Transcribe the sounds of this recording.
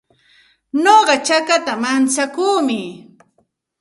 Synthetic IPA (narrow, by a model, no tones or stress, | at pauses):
noɢɑt͡ʃakat̪amant͡sakuːmɪ